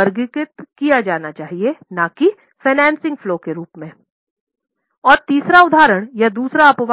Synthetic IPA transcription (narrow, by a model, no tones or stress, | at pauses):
əɾɡkɪt̪kijad͡ʒaːnat͡ʃaːɦienaki | feɪnɛ̃ːnsɪ̃ŋɡfloːkeɾuːpmẽː | ɔːɾt̪iːsɾaʊd̪ʱaːɾəɽ̃jad̪uːsɾaɐpʋ